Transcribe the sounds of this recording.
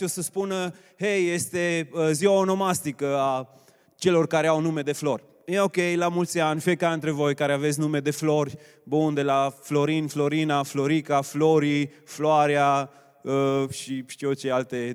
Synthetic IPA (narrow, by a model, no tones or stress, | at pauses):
osəspunə | hejːest̪e̞ziaono̞mast̪ikəa | t͡ʃe̞lo̞rkaɾeawnumed̪e̞flo̞rʲ | njeokejlamult̪sʲanʲfiekaɨnt̪ɾevo̞jkaɾeavets̬ʲnume̞d̪e̞flo̞rʲ | bund̪e̞laflo̞ɾinflo̞ɾinaflo̞ɾikafloɾifloaɾja | əʃit͡ʃeot͡ʃealt̪e